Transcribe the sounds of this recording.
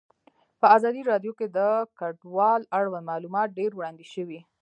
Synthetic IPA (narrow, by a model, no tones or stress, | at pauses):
pəazɑd̪iɾɑɖjoked̪əkaɖwɑlaɽwand̪mɑlumɑt̪̚ɖeɾwɽɑnd̪iʃəwi